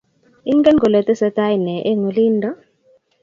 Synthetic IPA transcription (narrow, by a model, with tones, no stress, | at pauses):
i˦ŋɡɛ˦nɡɔ˨lɛ˨t̪ɛ˦sɛ˨˦ta˦jnɛ˨ʔe˦ŋo˨li˦ndɔ˦